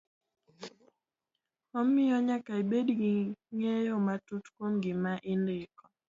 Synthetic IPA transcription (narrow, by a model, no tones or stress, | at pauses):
ɔmːɪɔɲakaibedɡiŋejomatutkwomɡɪmaʔindɪkɔ